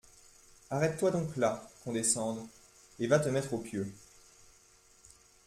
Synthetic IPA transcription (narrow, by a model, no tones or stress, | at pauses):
aʁɛt̪ːwad̪ɔ̃klakɔ̃d̪esɑ̃d̪ | evat̪əmɛt̪χopjø